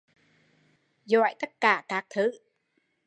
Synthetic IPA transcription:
zɔ̰˧˨jt̪ə˦˥t̚kaː˧˩kaː˦˥k̚t̪ʰɨ˧˨˦

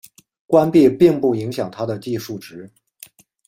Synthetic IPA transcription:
kwa˥npi˥˧pi˥˧ŋpu˥˩i˧˥ŋɕjɑ˨˩ŋt̪ʰa˥d̪ə˨t͡ɕi˥˧ʂu˥˩ʈ͡ʂɻ̩˧˥

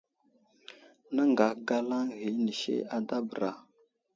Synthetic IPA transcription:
na˦ŋɡa˨kɡa˦la˦ŋɣi˨˦ni˨ʃḛ˦a˨˦da˦bə˨ɾa˨

